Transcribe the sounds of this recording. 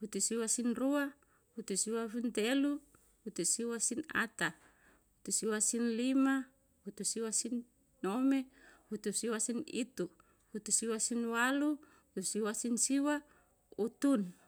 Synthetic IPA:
hut̪usiwasinrua | hut̪usiwafint̪ɛlu | hut̪usiwasina̰t̪a | hut̪usiwasinlima | hut̪usiwasinː | ɔmɛhut̪usiwasinḭt̪u | hut̪usiwasinwalu | ut̪usiwasinsiwa | ut̪un

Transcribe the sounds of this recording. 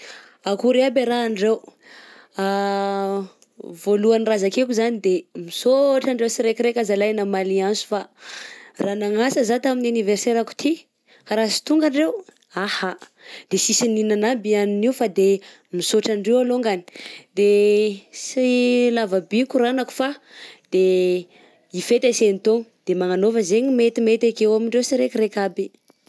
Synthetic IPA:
akuɾeabeɾaːɳɖ͡ʐew | a | voluanirazakekuzanid̪emisoʈ͡ʂaɳɖ͡ʐewsiɾekʲiɾekʲazalajnamaliansu̥fa | ranaŋasəzat̪aminaniverseɾaku̥t̪ʰi | kaɾasi̥t̪uŋɡaɳɖ͡ʐew | aha | d̪̥esisininanabianiniwfad̪e | misoʈ͡ʂaɳɖ͡ʐewaloŋɡani̥d̪e | silavabikʲuɾanaku̥fad̪̥e | ifet̪esenit̪oŋd̪̥emaŋanovəzeɲimet̪imet̪akewamiɳɖ͡ʐewsiɾekʲiɾekʲabi

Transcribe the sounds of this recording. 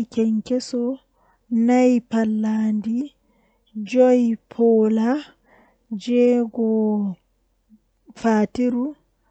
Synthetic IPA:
kɛŋkɛsɔ | najpalːaːndi | d͡ʒɔjpʰɔːla | d͡ʒɛɡɔ | faːtiɾu

